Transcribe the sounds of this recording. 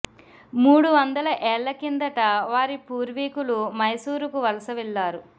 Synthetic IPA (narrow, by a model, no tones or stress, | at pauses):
muːɽuʋɐnd̪ɐlɐʔɛːɭːɐkind̪ɐʈɐʋaːɾipuːɾʋiːkulumɐjsuːɾukuʋɐlɐsɐʋiɭːaːɾu